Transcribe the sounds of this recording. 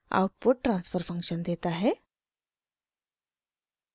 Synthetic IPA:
a̰uʈ̚puʈ̚ʈɾansfəɾfəŋkʂənd̪et̪aɦe

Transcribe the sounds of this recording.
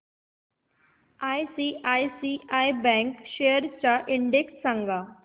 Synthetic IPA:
aːjsiʔajsiʔaibɛ̃ŋkʃejəɾt͡ɕaʔɪɳɖeksːə̃ŋɡa

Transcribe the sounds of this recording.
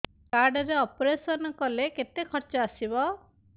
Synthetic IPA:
kaɾɖɔɾeɔpɾesɔnɔkɔleket̪ekʰɔɾt͡ʃɔasibɔ

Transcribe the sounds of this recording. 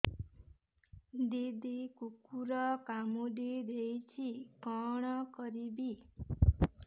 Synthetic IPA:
d̪id̪ikukuɾɔkamuɖid̪ejt͡ʃʰikɔɽ̃ɔkɔɾibi

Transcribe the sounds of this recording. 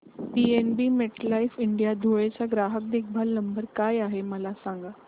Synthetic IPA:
pienbiːmeʈlaifiɳɖijad̪ʱoɭet͡ɕaɡɾaɦək̚d̪ek̚ʰbʱalnəmbəɾkajaɦeməlasãŋɡa

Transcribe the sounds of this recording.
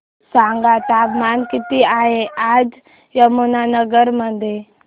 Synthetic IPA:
sãŋɡat̪abmankit̪iaɦeʔad͡ʒ | jəmunanəɡəɾməd̪e

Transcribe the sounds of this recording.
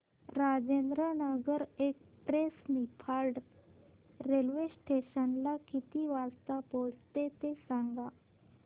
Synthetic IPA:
ɾad͡ʑend̪ɾənəɡəɾek̚ | pɾesmipʰaɾɖ | ɾelʋesʈeɕənlakit̪iːʋast̪apoɽt̪et̪esaŋɡa

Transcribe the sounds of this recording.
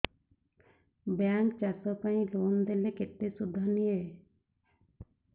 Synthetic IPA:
bjaːŋt͡ʃasɔkaĩloːnd̪elekɪt̪ːesʊd̪ʱːanie

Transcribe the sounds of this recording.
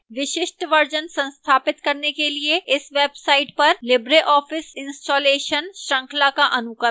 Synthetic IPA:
ʋɪʃɪʃʈʋɐɾd͡ʒənsɐ̃nst̪ʰaːpɪt̪kɐɾnekelieɪsʋeːbsaːɪʈpɐɾlɪbɾeʔɔːfʰɪsɪ̃nsʈoːleːʃənʃɾɐ̃ŋkʰlakaʔɐnʊkə

